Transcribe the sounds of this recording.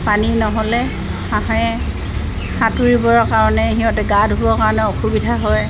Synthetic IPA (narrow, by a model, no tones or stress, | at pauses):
paninɔɦɔlɛ | aɦɔɛ | xatuɹibɔɹɔkaɹɔnɛɦiɔtɛɡadɦuɔkaɹɔnɛɔxubidʱaɦɔj